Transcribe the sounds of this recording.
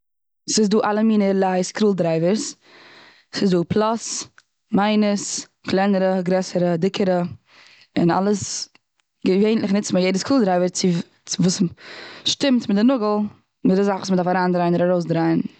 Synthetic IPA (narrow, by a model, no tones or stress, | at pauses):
sɪsduːʔalˠəmiːnəlˠaɪskɾuːlˠdɾaɪvəɾs | sɪzduːpʰlˠas | maɪnəs | klˠaɪnəɾəɡɾɛsəɾədɪkʰəɾə | ɪ̰na̰lˠəs | ɡəveɪntlɪχnɪt͡smajeɪdəskɾuːlˠdɾaɪvəɾt͡sɪ | vuːsʃtɪmtmɪtdɪnʊɡl̩ˠ | mɪdɪszaχvuːsmədafaɾaːndɾaɪnɪɾaɾoʊsdɾaɪn